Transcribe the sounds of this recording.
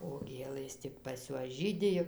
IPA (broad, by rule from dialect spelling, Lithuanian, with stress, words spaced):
oː ˈɡʲeːlˠɘs ˈtʲɪk pɐs ˈjuɔs ˈʒʲiːdʲɪ jɛʊ